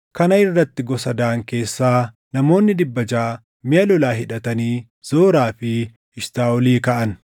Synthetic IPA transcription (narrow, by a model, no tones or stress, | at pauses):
kɐnɐɪrːɐt̪ːɪɡɔsɐd̪aːŋke̞ːsːaː | nɐmo̞ːnːɪd̪ɪbːɐd͡ʒaː | mɪjɐlɔlaːɦɪᶑɐt̪ɐniː | z̥oːɾaːfɪ | ɪʃt̪aːɔliːkɐʔɐn